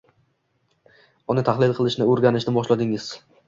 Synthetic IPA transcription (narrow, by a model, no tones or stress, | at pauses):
ʊnɪt̪ʰahlˠɪlˠqʰɨlˠɪʃnɪoɾɡʲanɪʃnɪbɒʃlad̪ɪŋɪz̥